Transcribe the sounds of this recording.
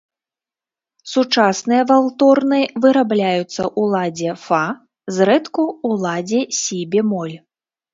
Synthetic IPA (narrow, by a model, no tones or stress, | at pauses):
sut͡ʂasnɨjɐvalˠt̪ɔrnɨvɨɾablʲajut̪sːɐʔulˠad͡zʲɛfa | zɾɛt̪kuːlˠad͡zʲɛsʲibʲɛmɔlʲ